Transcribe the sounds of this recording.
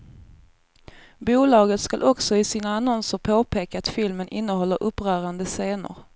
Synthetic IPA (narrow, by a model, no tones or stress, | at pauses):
buːlɑːɡət̪skalʔɔksɔɪsiːnaːnɔnsəɾpʰoːpʰeːkaːt̪fɪlmənʔɪnːəɦɔlːəɾʔɵpːɾœːɾand̪əseːnʊ̰ɾ